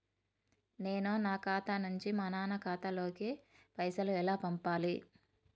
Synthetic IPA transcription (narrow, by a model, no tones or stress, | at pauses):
ne̞ːnunaːkaːt̪ɐnuɲt͡ʃimɐnaːnɐkaːt̪ɐlo̞ːki | pɐjsɐluɛlaːpɐmpaːli